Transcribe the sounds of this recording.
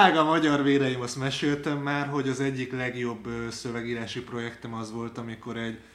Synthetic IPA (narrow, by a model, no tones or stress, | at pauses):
aːɡɒmɒɟɒrʋeːɾɛjimɒsmɛʃeːlt̪ɛmːaːrɦo̞ɟɒzɛɟːiklɛɡjo̞bːøːsøvɛɡiːɾaːʃipro̞jɛkt̪ɛmɒzʋo̞lt̪ɒmiko̞ɾɛɟ